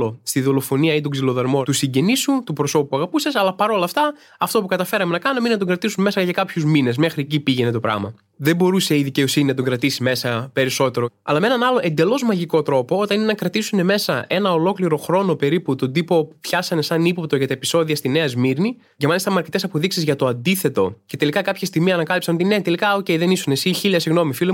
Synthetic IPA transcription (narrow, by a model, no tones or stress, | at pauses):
ost̪iðo̞lo̞fo̞niɐit̪oɡzilo̞ðɐɾmot̪usiɲɟe̞nisut̪upɾo̞so̞pupuɐɣɐpusɐsɐlɐpɐɾo̞lɐft̪ɐ | ɐft̪o̞pukɐt̪ɐfe̞ɾɐmenɐkɐnomeinɐt̪oŋɡɾɐt̪isumme̞sɐʝɐkɐpçuzmine̞zme̞xɾiecipiʝe̞ne̞t̪o̞pɾɐ̰ɣmɐ | ðe̞bo̞ɾuse̞iðice̞o̞sininɐt̪o̞ŋɡɾɐt̪isime̞sɐpe̞ɾiso̞t̪e̞ɾoɐ̰lɐmee̞nɐnɐlo̞ʔe̞nd̪e̞lo̞zmɐʝiko̞t̪ɾo̞po̞o̞t̪ɐnine̞nɐkɾɐt̪isune̞me̞sɐʔe̞nɐo̞lo̞kliɾo̞xɾo̞no̞pe̞ɾiput̪o̞nd̪ipo̞pupçɐsɐne̞sɐnipop̚t̪o̞ʝɐt̪ɐepi̥so̞ðiɐst̪ine̞ɐzmiɾni | cemɐlist̪ɐmɐɾcet̪esɐpo̞ðiksizʝɐt̪o̞ɐnd̪iθe̞t̪o̞ce̞t̪e̞likɐkɐpçɐst̪imiɐnɐkɐlipsɐnt̪ine̞t̪elikɐoce̞iðe̞nisunesiçilɐsiɣno̞mifilo